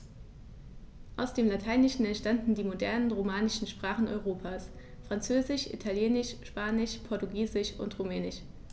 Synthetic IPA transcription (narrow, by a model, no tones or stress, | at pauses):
ʔaʊsd̥eːmlatʰaɪnɪʃn̩ɛntʃtandn̩diːmodɛɐnənʁomaːnɪʃn̩ʃpʁ̥aːχn̩ɔ̰ʏʁoːpʰaːs | fʁ̥ant͡søːzɪʃʔḭtʰaljeːnɪʃʃpaːnɪʃpʰɔɐtuɡiːzɪʃʔʊ̰ntʁumɛːnɪʃ